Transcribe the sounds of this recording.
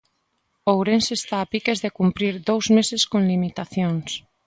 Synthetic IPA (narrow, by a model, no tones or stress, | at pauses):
owɾensest̪aːpikezðekumpɾiɾðowzmeseskõŋlimit̪aθjoŋs